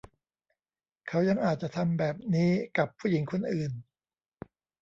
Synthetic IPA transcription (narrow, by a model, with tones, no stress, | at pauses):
kʰa˦˥wja˧ŋʔaː˨˩t̪̚t͡ɕa˨˩t̪ʰa˧mbɛː˨˩p̚niː˦˥ka˨˩pʰːuː˥˩ji˩˦ŋkʰo˧˥nʔɯː˨˩n